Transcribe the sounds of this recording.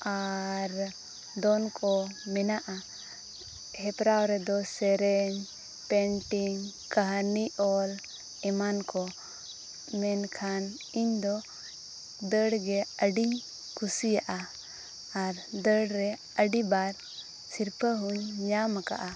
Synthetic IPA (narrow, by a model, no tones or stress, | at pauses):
aɾ | d̪ɔnkʰɔmɛnaʔa | hɛpɾawɾɛd̪ɔsɛɾɛɲ | pɛɳʈiŋ | kəɦniʔɔl | ɛmankɔ | mɛnkʰan | iɲd̪ɔ | d̪əɽɡɛəɖiɲ | kʰusijaʔa | aɾd̪əɽɾɛ | əɖibaɾ | siɾpʰəɦuɲɲamaka̰ʔa